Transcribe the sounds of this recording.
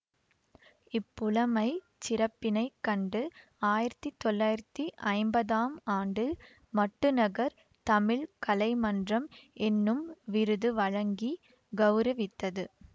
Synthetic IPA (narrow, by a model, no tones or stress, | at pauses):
ɪpːʊlɐmɐɪ | t͡ʃɪɾɐpːɪnɐɪkːɐɳɖɯ | aːjɪɾɐt̪ːit̪ːɔlːaːjɪɾɐt̪ːiʔɐɪmbɐðaːmaːɳɖɯ | mɐʈːɯnɐɣɐɾ | t̪ɐmɪɭkɐlɐɪmɐndrɐmʔɛnːɯmʋɪɾɯðɯʋɐɻɐŋɡi | ɡɐʋɾɐʋɪt̪ːɐðɯ